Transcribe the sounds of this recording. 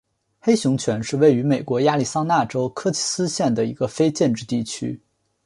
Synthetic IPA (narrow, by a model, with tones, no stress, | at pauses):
xe˥ɪɕjʊ˧˥ŋt͡ɕʰɥɛ˧˥nʂɻ̩˥˧we˥˩ɪy˧˥me˨˩ɪkwɔ˧˥ja˥˩li˨˩sɑ˥ŋna˥˩ʈ͡ʂo˥ʊkʰɤ˥t͡ɕʰi̥˥sɹ̩˥ɕjɛ˥˩nd̪ə˩i˧˥ɡ̥ə˧fe˥ɪt͡ɕjɛ˥˧nʈ͡ʂɻ̩˥˧t̪i˥˩t͡ɕʰy̰˥